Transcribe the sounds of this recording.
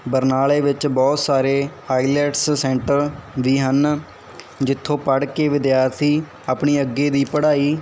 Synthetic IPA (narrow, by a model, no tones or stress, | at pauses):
bəɾnaːleːʋɪt͡ʃbɔːt̪saːɾeːaːiːlɛːʈssɛ̃ːɳʈəɾʋiːɦən | d͡ʒɪt̪ʰːõːpəɽkeːʋɪd̪jaːɾt̪ʰiː | aːpɳiːəɡːeːd̪iːpəɽaːiː